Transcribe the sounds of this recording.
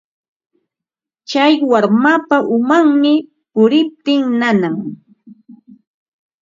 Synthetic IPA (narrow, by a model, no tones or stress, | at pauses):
t͡ʃajwaɾmapaʔʊmaŋmɪ | pʊɾɪp̚t̪ɪŋnanaŋ